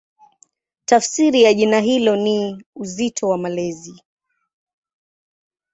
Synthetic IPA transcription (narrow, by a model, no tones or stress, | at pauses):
tafsiɾijaʄinaɦilɔniuzitʰɔwamalɛzi